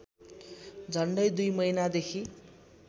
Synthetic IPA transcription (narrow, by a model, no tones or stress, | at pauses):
d͡zʱʌɳɖʌjd̪ujmʌjnad̪ekʰi